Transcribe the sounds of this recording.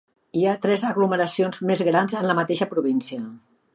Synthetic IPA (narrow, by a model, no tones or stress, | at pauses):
iat̪ɾɛzəɣluməɾəsionzmezɣɾanzənləmət̪eʃəpɾuβ̞insiə